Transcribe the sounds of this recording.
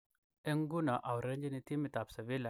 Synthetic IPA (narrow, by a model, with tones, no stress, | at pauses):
ɛ˦ŋɡu˦na˨ʔa˨wɾe˦ɲd͡ʒi˦ni˨ti˦mi˨ta˨psa˨vi˦la˨